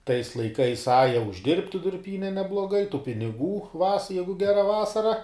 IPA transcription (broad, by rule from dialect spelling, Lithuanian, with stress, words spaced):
tɐɪs lˠɐɪˈkɐɪs ˈɑːjɛ ʊʒʲˈdʲɪrʲpʲtʲɪ dʊrʲˈpʲiːnʲɛ nʲɛblˠoːˈɡɐɪ tʊ pʲɪnʲɪˈɡuː ʋɐs ˈjæːɡʊ ˈɡʲæːrɐ ˈʋɑːsɐrɐ